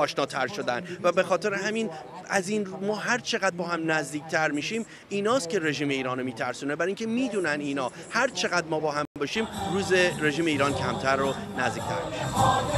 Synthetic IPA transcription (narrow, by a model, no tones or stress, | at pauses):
ɒːʃnɒːt̪ʰæɾʃo̞d̪ænvæbe̞xɒːt̪ʰe̞ɾeɦæmin | æziːnmɒːɦæɾt͡ʃʰe̞ɣæd̪̚bɒːhæmnæzd̪iːct̪ʰæɾmiːʃiːm | iːnɒːst̪̚cʰe̞ɾe̞ʒiːme̞iːɾɒːnomiːt̪ʰæɾsuːnebæɾiŋcʰemiːd̪uːnæniːnɒː | hæɾt͡ʃʰe̞ɣæd̪mɒːbɒːhæbɒːʃiːmɾuːzeɾe̞ʒiːme̞iːɾɒːncʰæmt̪ʰæɾːonæzd̪iːc̚ʰt̪ʰæ̰ɾmiʃæn